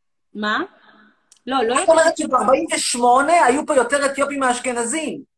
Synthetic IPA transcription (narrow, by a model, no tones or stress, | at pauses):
ma | loloatomeʁet̪ʃebaʁbaimveʃmo̞ne̞ajupojo̞t̪eʁet̪jo̞pimaːʃkenazin